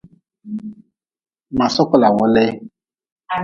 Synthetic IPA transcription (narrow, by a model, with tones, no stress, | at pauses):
ma˨sɔ˦kɔ˦˨la˨wɔ˦le˦